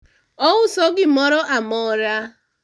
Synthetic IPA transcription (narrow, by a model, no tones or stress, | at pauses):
ɔwʊsɔɡɪmɔɾɔʔamɔɾa